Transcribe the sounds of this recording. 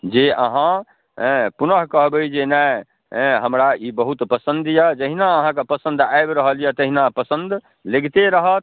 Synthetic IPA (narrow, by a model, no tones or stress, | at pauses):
d͡ʒeʔə̰ɦã | punəɦkəɦbəjd͡ʒenɛ̃ | ɦəmɾaibəɦut̪pəsənd̪jəd͡ʒəɦinaəɦãkepəsə̃nd̪ajbɾəɦəljət̪əɦinapəsə̃nd̪ | leɡt̪eɾəɦət̪̚ʰ